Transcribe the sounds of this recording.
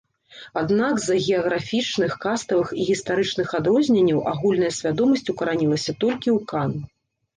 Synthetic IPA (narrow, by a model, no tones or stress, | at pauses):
ad̪naɡzɐɣʲɛɐɣɾafʲit͡ʂnɨxkast̪ɐvɨxiɣʲist̪aɾɨt͡ʂnɨxad̪ɾɔzʲnʲenʲːɐwʔaɣulʲnɐjɐsʲvʲad̪ɔmɐsʲt͡sʲukɐɾanʲilˠɐsʲɐt̪ɔlʲkʲiwkan